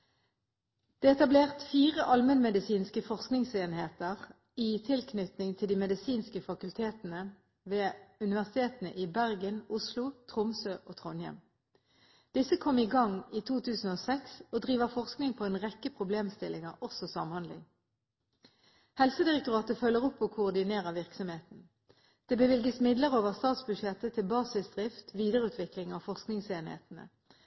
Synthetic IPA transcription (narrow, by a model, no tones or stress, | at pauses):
d̪̥eːɛt̪ɑbleːʁt̪fiːʁəʔɑlmənmɛd̪ɪsiːnskəfɔʁsknɪŋseːnheːt̪əʁ | iːt̪ʰɪlkʰnʏt̪nɪŋt̪ʰɪld̪iːmɛd̪ɪsiːnskəfɑkʉlt̪ʰeːt̪n̩ə | ʋeːʉnɪʋæʁsɪ̥t̪ʰeːt̪n̩ə̰ʔiːbæʁɡənʊslʊt̪ʰʁʊmsøːʔoːt̪ʰʁɔnjɛ̰m | d̪̥ɪsəkʰɔmiːɡɑŋiːt̪ʰuːt̪ʰʉːsn̩oːsɛksoːd̪ʁiːʋəʁfɔʁsknɪŋpʰoːeːnʁɛkːəpʰʁʊbleːmst̪ɪlɪŋəʁɔsɔsɑ̰mhɑnd̪lɪ̰ŋ | hɛlsəd̪ɪʁək̚t̪ʊʁɑːt̪əfœlːəʁɔpːɔːkʰʊːʁd̪ɪneːʁəʋɪʁksɔmheːt̪n̩ | d̪̥eːbəʋɪlɡəsmɪd̪ləʁoːʋəʁst̪ɑːt̪sbʉdʃjɛt̪ət̪ʰɪlbɑːsɪsd̪ʁɪft̪ʋiːd̪əʁəʉːt̪ʋɪklɪŋɑfɔʁsknɪŋseːnhḛːt̪nə̰